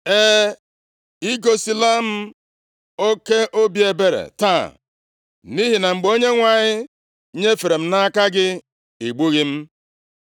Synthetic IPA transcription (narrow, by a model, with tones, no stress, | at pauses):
eː˦ | i˦ɡo˨si˨la˦m̩˦ | o˦ke˦ʔo˦bi˦e˨be˨ɾḛ˨ta̰˦˨ | ni˦ɦi˨na˨ŋ͡m̩˨ɡ͡bo˦ɲe˦ŋʷa˨ɲɪ˦ | ɲe˦fe˨ɾe˨m̩˦na˦ka˦ɡɪ˦ | i˨ɡ͡bu˦ɣi˦m̩˦